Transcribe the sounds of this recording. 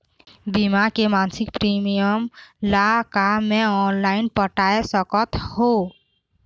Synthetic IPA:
bimakemansik̚pɾimijəmlakamẽɔnlaɪnpəʈaesɔkɔt̪ho

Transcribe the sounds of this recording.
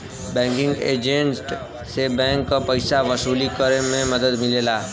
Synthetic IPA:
bɛ̃ŋkɪ̃ŋɡḛːd͡ʒẽɳʈ | sebɛ̃ŋkːapəjsaʋəsuːlikəɾemẽməd̪əd̪mɪlelaː

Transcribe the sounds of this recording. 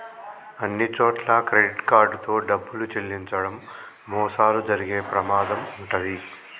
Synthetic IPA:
ɐnːit͡ʃoːʈlɐkɾeɖiʈkaːɾɖut̪o̞ːɖɐbːulut͡ʃelːiɲt͡ʃɐɽɐmː | ɔːsaːlud͡ʒɐɾiɡe̞ːpɾɐmaːd̪ɐmuɳʈɐd̪i

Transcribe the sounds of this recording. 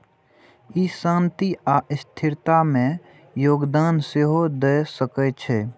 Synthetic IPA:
isãːnt̪iaːʔɪst̪ʰɪɾt̪amẽ | joːɡd̪aːnseɦod̪esəkɛt͡ʃʰɛː

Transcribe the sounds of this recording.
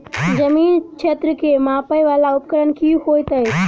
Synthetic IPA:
d͡ʒɐmiːnkʰeːt̪ɾəkʰemãːpəiʋaːlaʊpkəɾəñkiːuɦoːet̪ɐɦe

